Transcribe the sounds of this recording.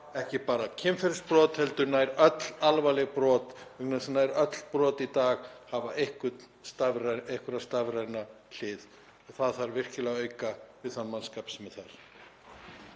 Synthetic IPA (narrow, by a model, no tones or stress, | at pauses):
ɛhcɪpaːɾacʰɪmfɛɾspɾɔːt̪hɛlt̪ʏɾnajɾœt̪lalvalɛɣpɾɔːt̪œknasnaːjɾœt̪l̥pɾɔːt̪it̪aːɣhavaʔehkʏt̪ | st̪avɾaehkʏɾast̪avɾajna | l̥ɪːð | ɔɣθaðθaɾvɪr̥cɪlaɣœːɥkavɪðθanmanskaːpsmɛðθaɾ̥